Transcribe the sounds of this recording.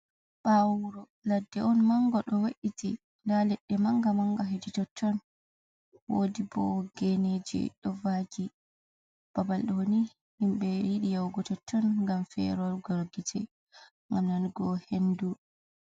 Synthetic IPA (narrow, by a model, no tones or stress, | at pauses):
ɓawuɾɔ | ladːɛʔɔnmaŋɡɔɗɔwaɗiti | ndalɛɗːɛmaŋɡamaŋɡaɦeditɔtːɔn | wodibɔ̰ɡened͡ʒḭɗɔvad͡ʒi | b̥abalɗɔwoni | himɓɛjiɗijawɡɔtɔtːɔnŋɡamfɛ̰ɾɔɡɔɾɡitʰɛ | ŋɡamnanɡɔhendu